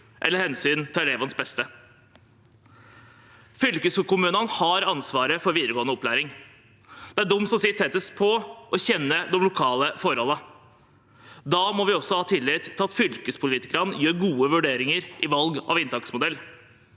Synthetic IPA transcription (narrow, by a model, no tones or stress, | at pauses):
ʔɛləɾhɛnsyːnt̪ʰɪlɛleːʋɑnsbɛst̪ə | fʏlkəskʊmʉːnənhɑɾɑnsʋɑːɾəfɔɾʋiːd̪əɾəɡoːənəɔpʰːlæːɾɪŋ | d̪̥ɛæɖʊmːsɔmsɪt̪ʰːɛt̪ːəspʰɔʔɔçɛnːəd̪ɔmlʊkʰɑːləfɔɾhɔlːə | d̪ɑːmɔʋɪɔsɔhɑːt̪ʰɪlːɪt̪ʰːɪlɑt̪fʏlkəspʰʊliːt̪ɪkɾɑnjøːɾɡuːəʋʉɖeːɾɪŋəɾʔɪʋɑlɡɑ̰ʋɪnt̪ʰɑksmʊd̪ɛlː